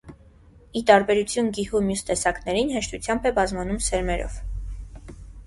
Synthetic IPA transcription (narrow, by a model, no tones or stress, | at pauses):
it̪ɑɾbɛɾut͡sʰjunɡihumjust̪ɛsɑknɛɾinɦɛʃt̪ut͡sʰjɑmbɛbɑzmɑnumsɛɾmɛɾɔ̰v̥